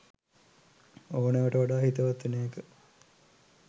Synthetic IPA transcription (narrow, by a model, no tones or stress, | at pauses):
oːneʋəʈəʋaɖaːhit̪əʋat̪ːneːkə